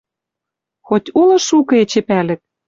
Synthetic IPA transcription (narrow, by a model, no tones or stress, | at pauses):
xot̪ʲulɤ̆ʃukɤ̆et͡ɕĕpælɘ̆k̚